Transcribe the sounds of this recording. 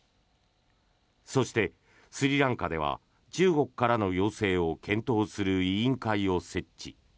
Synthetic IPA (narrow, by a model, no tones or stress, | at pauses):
so̞ɕi̥t̪e̞ | sɨɾʲiɾãŋkad̪e̞β̞a̰ | t͡ɕɨːɡo̞kɯ̥kːaɾano̞jo̞ːse̞ːo̞kʰẽ̞nt̪o̞ːsɨɾɯ̟iĩŋkaio̞se̞t͡ɕːɕḭ